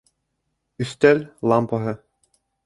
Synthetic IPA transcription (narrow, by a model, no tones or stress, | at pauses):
yst̪ʲɛlʲlˠɑmpɤɦɘ̆